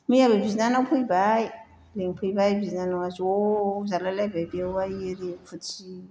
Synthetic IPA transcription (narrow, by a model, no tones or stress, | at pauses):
miabebizinanawpʰuibaj | leɲipʰuibajbizinanowazozalalababeaiɾefut͡ʃi